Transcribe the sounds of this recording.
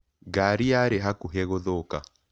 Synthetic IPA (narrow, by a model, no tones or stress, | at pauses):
ɡaɾiaɾeɦakuɦɛɣoðoka